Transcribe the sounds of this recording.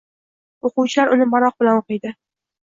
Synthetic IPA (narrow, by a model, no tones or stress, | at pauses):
oqʊwt͡ʃʰɪlaɾʊnɪmaɾɒq̚bɪlanoqɨjd̪ɪ